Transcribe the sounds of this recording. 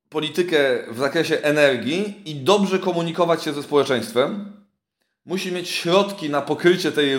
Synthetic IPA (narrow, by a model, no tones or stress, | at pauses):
pɔlʲit̪ɘkɛvzakɾɛɕɛʔɛnɛɾɡʲjiid̪ɔbʐɛkɔmuɲikɔvat͡ɕɕɛzɛspɔwɛt͡ʂɛ̃j̃st̪fɛm | uɕimjet͡ɕɕɾɔt̪kʲinapɔkɾɘt͡ɕɛt̪ɛj